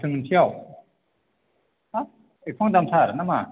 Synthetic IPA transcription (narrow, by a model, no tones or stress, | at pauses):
sʰɯŋɯntʰijaw | a | ek̚pʰɔŋdamtʰaɾnama